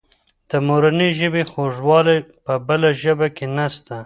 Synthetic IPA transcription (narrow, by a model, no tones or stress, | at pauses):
d̪̥əmoɾaniʒəbexoʒwɑlepəbəlaʒəbakenast̪a